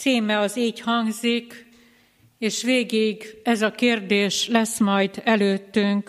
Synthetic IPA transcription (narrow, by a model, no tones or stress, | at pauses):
siːmɛɒziːchɒŋɡzik | eːʃʋeːɡiɡɛzɒkeːrd̪eːʃlɛsmɒjd̪ɛløːt̪ːyŋk